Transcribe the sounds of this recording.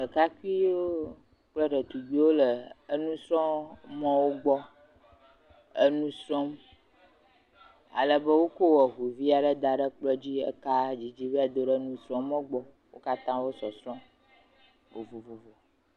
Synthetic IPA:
ə˨ka˦ki˦o˦ | k͡plɔ˦ɖə˨t̪u˨ɡ͡bi˦wo˦lə˨ə˦nũ˦sɾɔ̃˦mɔ̃˦wo˦ɡ͡bɔ˦ | ə˦nũ˦sɾɔ̃˦m | a̰˨lə˨bə˦wo˦ko˦wɔ˨ɦu˨vi˦a˨ɖə˦d̪a˨ɖə˦k͡plɔ˦d͡ʑi˦ə̰˦ka˦d͡ʑi˨d͡ʑi˦ba˨d̪o˦ɖə˦nũ˦sɾɔ̃˦mɔ̃˦ɡ͡bɔ˦ | wo̰˦ka˦t̪ã˦wo˦sɔ˨sɾɔ̃˦ | o˨vo˨vo˨vo˨

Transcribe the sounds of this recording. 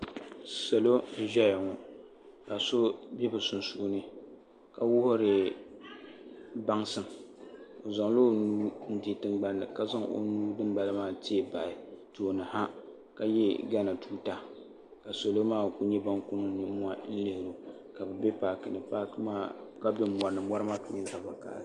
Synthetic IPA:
sa˨lo˦n̩˦ʒɛ˦ja˨ŋɔ˨ | ka˨so˦bɛ˦bɨ˨sʊ˨nsu˦nɨ˦ | ka˨wʊ˦hʊ˦ɾɨ˨ | ba˦ŋsɨ˦m | o˨za˨ŋlo˦nuː˦n̩˦di˨tɨ˨mɡ͡ba˦nːɨ̰˨ka˦˨za˦ŋo̰˨nuː˦dɨ˦mba˨lɨ˦maː˦˨ti˦e˨ba˨ɪ˨to˨nɨ˨ha˦ | ka˨jɛ˦ɡa˦na˨tuː˦ta˨ | ka˨so˨lo˦maː˦˨ku˨ɲɛ˦ba˦ŋku˦nɨ˦nɨ˨˦mu˦a˦n̩˦lɨ˦hɪ˨ɾo˨ | ka˨bɛ˨bɛ˦paː˨kɨ˨nɨ˨pa˦kmaː˦ka˦bɛ˦m˦m˨a˨nɨ˨ma˦ɾɨ˦ma˦ka˨mɪ˦za˨ba˨ka̰˨l

